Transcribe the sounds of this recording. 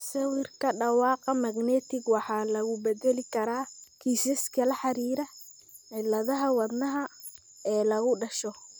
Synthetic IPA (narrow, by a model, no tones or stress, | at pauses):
sɐwirkʰɐɖɑwɑːqɑmɐɡnɛːt̪ʰɪɡwɑħɑːlɐɣʊbɛd̪ɛlɪkʰɐɾaːkʰiːsɛskʰɐlɐħɑɾiːɾɐ | ʕɪlːɐðɐɦɐwɑd̪nɐɦɐ | ɛːlɐɣʊɖɐʃɔ